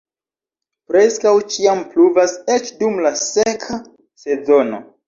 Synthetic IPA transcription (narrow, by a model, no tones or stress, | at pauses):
pɾe̞skawt͡ʃiampluvase̞t͡ʃdumlasekʰa | se̞zo̞no̞̰